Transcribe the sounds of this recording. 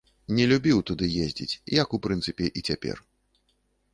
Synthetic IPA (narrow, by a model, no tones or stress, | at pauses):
nʲɛlʲubʲiwt̪ud̪ɨjezʲd͡zʲḭt͡sʲjɐkupɾɨnt̪sɨpʲɛʔit͡sʲapʲɛ̰r